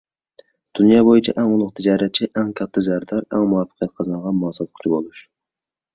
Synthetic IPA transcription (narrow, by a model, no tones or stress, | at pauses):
d̪̥unjɑːbojit͡ʃʰɛʔɛŋʊulˠːʊqt̪ʰɪd͡ʒɑːɾɛt̪̚t͡ʃʰːiʔɛŋkʲʰɑt̪ʰːɨzæɾd̪ɑɾɛŋmuwɑfə̥qʰijɛt̪̚qʰɑzɑɴʁɑnmɑːsɑt̪̚kʰy̥t͡ʃʰibolˠuʃ